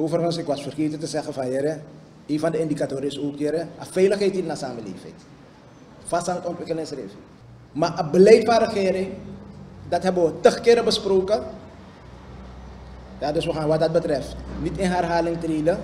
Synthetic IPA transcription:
oːfərχənsɪkʋasfərkiːtətəsɛxəfanjəɾɛ | eːnfɑndəɪndikatoːɾɪsoːkjəɾɛəfɛjləxɦɛjtitnasaːməlḛːfɛ̰jt | fastaːnətɔntʋɪkəlɪ̃srḛːf | maʔəbəlɛjtfɐ̃ɾəxeːɾɪŋ | dɐtɦɛbəʋətəxkɪːɾəbəsproːkə | jaːdøsʋəxaːnʋɐt̚dɐt̚bətrɛftnitɪnɦɛrɦaːlɪŋtɾiːdə

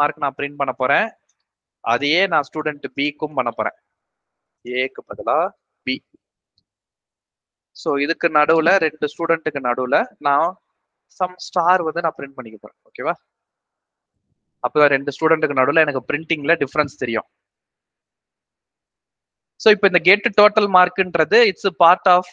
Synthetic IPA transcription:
aːɾɯkːɯnãːpɪɾɪɳʈ̚pɐɳːɐpːoːɾẽː | ʔɐ̰ðɯjeːnãːsʈuːɽɛɳʈbiːkːɯmpɐɳːɐpːoːɾḛ̃ː | eːkːɯpːɐðɐlaː | biː | soːɪðɯkːɯnɐɽɯʋlɐɾɛɳɖɯsʈuːɽɛɳʈɯkːɯnɐɽɯlɐnãː | sɐmsʈaːɾʋɐnd̪ɯnãːpɪɾɪɳʈ̚pɐɳːɪkːɯpːoːɾḛ̃ːoːkeːʋaː | ɐpːoːt̪ãːɾɛɳɖɯsʈuːɽɛɳʈ̬ɯkːɯnɐɽɯʋlɐɛnɐkːɯpɾɪɳʈɪŋɡlɐɖɪfɐɾɐnst̪ɛɾɪjʊ̰̃ː | soːɪpːoːɪnd̪ɐɡeːʈːɯʈoːʈːɐlmaːɾkɪnrɐðɯɪʈspaːɾʈaːf

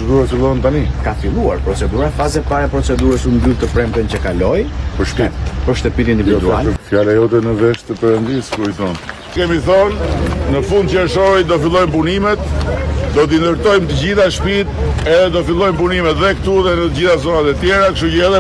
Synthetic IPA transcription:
d̪uɛfilˠɔənt̪anikafilˠua̰ɾpɾɔt͡sɛd̪uɾafazɛpaɾɛpɾɔt͡sɛd̪uɾəsumbuɾt̪əpɾɛmt̪ənt͡ɕəkalɔjpəɾʃpit̪pəɾʃt̪əpit̪ind̪ivid̪ua̰lfjalɛjɔt̪̬ɛnəvɛʃt̪əpɛɾənd̪iskuiθɔn | kɛmiθɔnːəfund̪̚t͡ʃəɛʃɔjd̪ɔfilˠɔjmpunimɛt̪d̪ɔt̪̬ind̪əɾt̪ɔjmt̪əd͡ʑiθaʃpit̪ɛðɛd̪ɔt̪filˠɔjmp̬unimɛt̪ðɛkt̪uðɛnət̪əd͡ʑiθazɔnat̪ɛt̪jɛɾakʃujɛðɛ

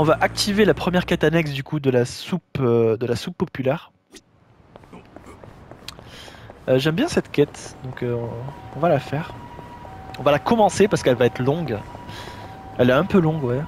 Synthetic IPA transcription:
ɔ̃vaʔak̚t̪ʰivelapχəmjɛʁkʲɛt̪anɛksd̪ykud̪əlasupød̪əlasupːɔpylɛʁ | øʒɛmbjɛ̃sɛt̪kʲɛt̪d̪ɔ̃køɔ̃ɔ̃valafɛʁ | ɔ̃valakɔmɑ̃sepaʁsə̥kɛlvaɛt̪χlɔ̃ɡ | ɛlɛɛ̃pølɔ̃ɡwa

